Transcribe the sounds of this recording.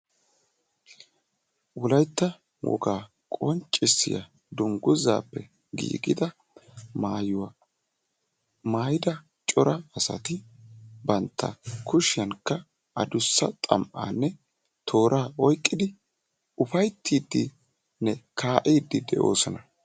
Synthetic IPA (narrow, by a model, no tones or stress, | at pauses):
wɔlɐjt̪ːɐ | wɔ̰ɡaː | kʼɔnt͡ʃʼːɪsːɪ̰jɐ̰ | d̪ʊŋɡʊza̰ːpːɛ | ɡḭːɡɪd̪ɐ | maːjʊwa | maːjɪd̪ɐ | t͡ʃʼɔɾɐɐsɐ̰t̪ɪbɐnt̪ʰːɐ̰kʊʃɪjɐnkːɐ | ʔɐd̪ʊsːɐt̪ʼɐ̰mʔa̰ːnːɛ | t̪ʰo̞ːɾʔaːɔjkʼːɪd̪ɪ | ʊfɐjt̪ːiːd̪ːɪ | nɛkʰaːʔiːd̪ːɪd̪ɛʔo̞̰ːsɔnɐ